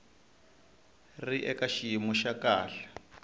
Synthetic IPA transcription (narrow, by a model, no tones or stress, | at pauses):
riʔɛkaʃijimuʃakaːɬḁ